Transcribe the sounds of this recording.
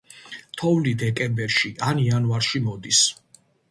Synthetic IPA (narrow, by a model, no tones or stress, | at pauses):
t̪ʰɔvlid̪ɛkʼɛmbɛɾʃiʔanianvaɾʃimɔd̪is